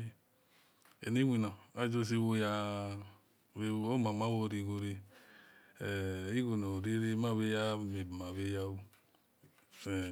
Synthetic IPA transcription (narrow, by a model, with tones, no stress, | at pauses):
ḛ˨ne˦wʷi˨na˨a˦d͡ʒo˦s̬i˦wo˧ja˧ | βe˦o˦ma˨ma˦wo˦˨ɾi˧ɡo˨ɾe˦˨ | i˦ɡo˨no˨ɾi˦ɾe˦ma˦βe˦ja˦me˨bma˨βe˦ja˦wu˦˨